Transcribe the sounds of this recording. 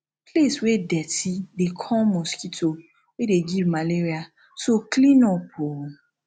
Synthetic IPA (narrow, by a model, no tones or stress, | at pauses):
pleswedɛtidekʰɔ̃mɔ̃skito | wedeɡivmaleɾia | soklĩnɔpʰo